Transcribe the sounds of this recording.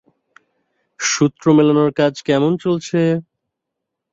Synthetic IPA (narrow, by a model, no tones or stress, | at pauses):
ʃut̪ːɾomelonoɾkad͡ʑkɛmont͡ɕolt͡ɕʰe